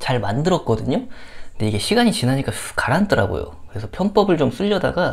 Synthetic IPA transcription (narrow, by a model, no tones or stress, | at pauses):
t͡ɕaɭmandɯɾʌk̚k͈ʌdɯɲonde̞iɡe̞ɕʰiɡaɲit͡ɕinɦaɲik͈akaɾant͈ʌɾa̰ɡo̰jo̰kɯɾe̞sʰʌpʰjʌnp͈ʌbɯɭt͡ɕoms͈ʰuʎːʌdaɡa